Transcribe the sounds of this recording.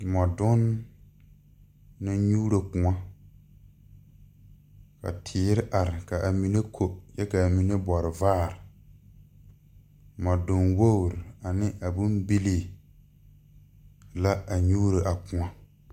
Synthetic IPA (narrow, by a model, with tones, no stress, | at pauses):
mɔ˨dʊ˦n | a˦ɲuː˦ɾo˨kʊ̃˨ŋa˦ | ka̰˨tʰɪː˨˦ɾɪ˦ʔa˨ɾɪ˨ka˨ʔa˨mi˨ne˦kʰo˨jɛ˦ka˨a˨mi˨ne˦bɔ˨ɾɪ˨vaː˦˨ɾɪ˨ | mɔ˨dʊ˨nwo˦wɾɪ˨a˨nɪ˦ʔa˨bʊ˦mbi˦li˦˨ | la˦a˨ɲuː˦ɾe˨ʔa˨kʊ̃˨a˦